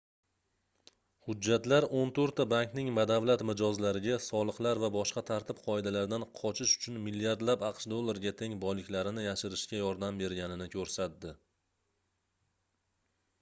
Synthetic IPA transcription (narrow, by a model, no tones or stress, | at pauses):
hʊd͡ʒːat̪laɾont̪ʰɵɾt̪ːabaŋknɪŋmad̪avlat̪mɪd͡ʒɒzlaɾɪɡʲasɒlˠɨqlˠaɾvabɒʃqɑt̪ʰaɾt̪ʰɪpqʰɒed̪alaɾd̪anqʰɒt͡ʃʰɪʃʊ̥t͡ʃʰʊnmɪlːijaɾd̪lapɑqʃd̪o̞lˠːaɾɡʲat̪ʰe̞ŋbɒjlɪkʲlaɾɪnɪjaʃɪɾɪʃkʲajɒɾd̪ambe̞ɾɡʲanɪnɪkʲʰɵɾsat̪̚d̪ɪ